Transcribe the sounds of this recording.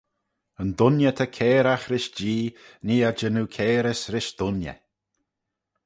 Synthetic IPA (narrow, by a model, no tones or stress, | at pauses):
ənd̪ʊnjət̪ʰakʰɛːɾaxɾɪʃd͡ʒiːniːad͡ʒənuːkʰɛːɾəsɾɪʃd̪̥ʊnjə̰